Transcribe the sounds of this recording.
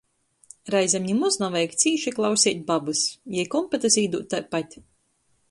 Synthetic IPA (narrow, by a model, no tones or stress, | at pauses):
ɾajzʲamʲɲimɔznavɛjkt̪siːʃiklˠawsʲiːt̪̚ʲbabɨsjɛjkɔmpɛt̪ɨsiːd̪uːt̪ːajpat̪ʲ